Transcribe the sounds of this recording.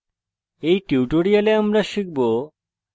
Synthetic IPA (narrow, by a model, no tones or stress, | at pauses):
ejʈiwʈoɾijaleamɾaʃik̚bo